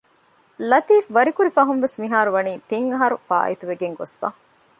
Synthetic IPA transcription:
lɐt̪iːfʋɐɾikuɾifɐɦunʋesmiɦaːɾuʋɐniːt̪iŋɐɦɐɾufa̰ːʔḭt̪uʋeɡeŋɡosfa̰

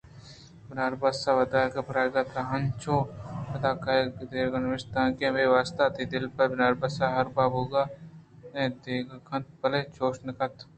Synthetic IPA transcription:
bɪnaːɾbɐsaʋɐd̪aːkɐpɾaːɡɐt̪ɾɐɦɐnt͡ʃʰoːpɐd̪aːkaːjkd̪eːɾɡɐnʋɪst̪ãːkemeːʋaːst̪at̪ʰiːd̪ɪlpɐɾbɪnaːɾbɐsaɦɐɾbaːbʱoːɡaː | ẽd̪eːɡɐkʰɐ̃nt̪̚pɐlet͡ʃʰoːʃnɐkɐt̪

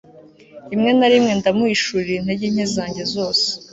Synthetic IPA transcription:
imŋe̞naɾimŋe̞ndamuiʃuɾiɾiin̥he̞ɟiɲ̥ezaːɲɟe̞zo̞ːse̥

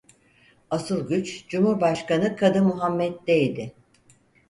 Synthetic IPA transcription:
asɯlˠɟʲyt͡ʃd͡ʒumhuɾbaʃkanɯkʰad̪ɯmːuɦamːɛt̪̚d̪ejd̪ɪ

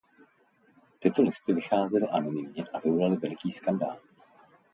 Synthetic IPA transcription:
t̪ɪt̪o̞lɪst̪ɪvɪxaːzɛlɪʔanɪnɪmɲɛʔavɪvolalɪvɛlɪkiːskanda̰ːl

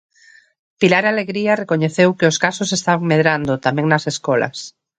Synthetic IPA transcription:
pilaɾaleɣɾiarekoɲeθewkeoskasosest̪aβaŋmeðɾand̪ot̪amɛ̃ŋnaseskɔla̰s

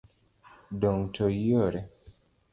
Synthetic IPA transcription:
dɔŋtʰojoɾɛ

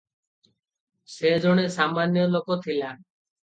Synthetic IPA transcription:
sed͡ʒʱoɽ̃esamːanjolokot̪ʰila

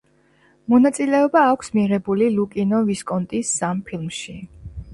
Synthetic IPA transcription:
mɔnat̪sʼilɛɔbaːkʷʰsmiʁɛbulilukʼinɔviskʼɔnt̪ʼisːampʰilˠmʃi

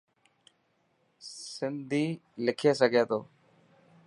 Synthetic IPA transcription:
sɪnd̪ʱiːlɪkʰeːsəɡʱeːt̪oː

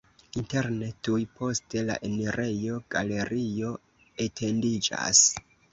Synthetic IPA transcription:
inte̞ɾnetujpo̞ste̞la̰ʔe̞neɾʔe̞jo̞ɡ̥a̰le̞ɾʔio̞ | e̞tʰe̞ndid͡ʒa̰s

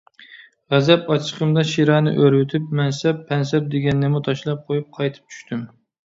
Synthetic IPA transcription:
ʁæzɛpɑt͡ʃʰə̥qʰəmd̪ɑʃiɾɑnɨ̰ʔøɾwɪt̪ʰɪpmɛnsɛpʰːɛns̬ɛp̚d̪eɡʲɛnːɪmut̪ʰɑʃlˠɑp̚qʰojup̚qʰɑjt̪ʰɨ̥p̚t͡ʃʰy̥ʃt̪ʰym

